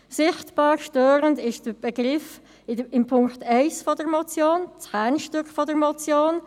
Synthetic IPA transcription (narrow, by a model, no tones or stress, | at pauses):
sɪχtb̥ɑːɾʃtøːɾəndɪʃd̥əb̥ɛɡʁɪf | ɪmpʰʊŋktʰɛɪsfɔdəɾmɔt͡sjoːnt͡shæːnʃtʏkχfɔdəɾmɔt͡sjoːn